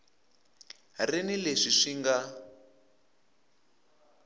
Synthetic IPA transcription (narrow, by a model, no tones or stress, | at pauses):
renileʂiʂiŋɡa